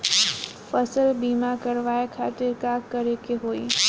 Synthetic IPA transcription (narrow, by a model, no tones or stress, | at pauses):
fɐsəlbiːmakəɾʋaːekʰaːt̪ɪɾkaːkːəɾekeɦoːḭː